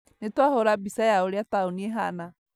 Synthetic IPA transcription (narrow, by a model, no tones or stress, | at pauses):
netwahoɾabisajaoɾjataoniɛɦa̰na